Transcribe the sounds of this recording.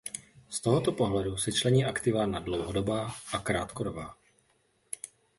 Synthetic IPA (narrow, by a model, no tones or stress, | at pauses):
st̪oɦot̪opo̞ɦlɛdusɛt͡ʃlɛɲiːʔakt̪ɪvanadlowɦodobaːʔakɾaːt̪kodobaː